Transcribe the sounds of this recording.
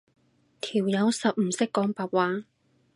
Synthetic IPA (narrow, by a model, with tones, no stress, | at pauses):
t̪ʰiː˨˩wjɐ˨˧wsɐ˨p̚m̩˨˩sɪ˥kːɔː˨˥ŋpaː˨˩t̚waː˨˥ŋ